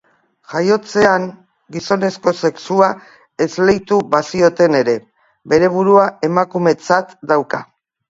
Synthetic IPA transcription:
ʝajo̞t͡se̞aŋ | ɡiso̞ne̞sko̞se̞ksua | e̞zle̞jt̪uβasio̞t̪e̞ne̞ɾe̞ | be̞ɾe̞β̞uɾuae̞makume̞t͡sat̪d̪awka

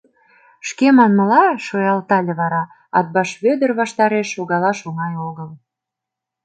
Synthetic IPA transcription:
ʃkemɑnməlɑʃojɑlt̪ɑlʲeβɑɾɑ | ɑ̰t̪̚bɑʃβød̪ə̆rβɑʃt̪ɑɾeʃoɣɑlɑʃoŋɑjoɣəl

